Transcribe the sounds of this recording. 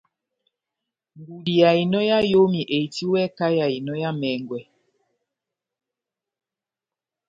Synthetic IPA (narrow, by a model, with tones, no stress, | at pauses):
ŋɡu˨di˨ja˨i˨nɔ˦ja˦jo˦mi˨ʔe˨i˨ti˦wɛ˦ka˦ja˨i˨nɔ˦ja˦mɛ˨ŋɡwɛ˨